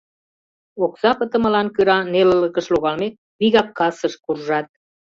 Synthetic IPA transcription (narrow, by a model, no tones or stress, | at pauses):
oksɑpə̆t̪ə̆mə̆lɑnkyɾɑnelələkəʃloɣɑlmek̚ | biɣɑp̚kɑsəʃkurʒɑt̪̚